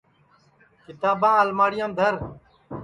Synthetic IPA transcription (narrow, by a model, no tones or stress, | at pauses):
kɪt̪aːbãːəlmaːɽɪjãːnd̪ʱəɾ